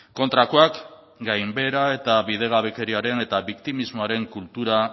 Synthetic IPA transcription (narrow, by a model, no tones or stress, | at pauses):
ko̞nt̪ɾakoak | ɡajmbe̞ɾae̞t̪aβið̞e̞ɣ̞aβe̞ke̞ɾiaɾe̞ne̞t̪aβikt̪imizmo̞aɾe̞ŋkult̪uɾa